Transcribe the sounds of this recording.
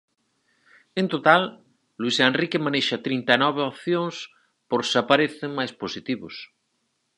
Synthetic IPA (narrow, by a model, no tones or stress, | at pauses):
ẽnt̪ot̪al | luisenrikemaneʃat̪ɾint̪anɔβ̞eopθjoŋs | poɾsapaɾeθeŋmajsposit̪iβos